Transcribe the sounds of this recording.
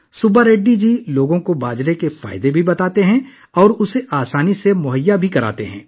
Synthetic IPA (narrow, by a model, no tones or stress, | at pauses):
sʊbaɾeːɖːid͡ʒiːloːɡõkobaːd͡ʒɾekefa̰ːɪd̪ebʱibɐt̪aːt̪eɦɛ̃ | ɔːɾʊseʔaːsaːnisemʊɦəjːabʱikɐɾa̰ːt̪eɦɛ̰̃ː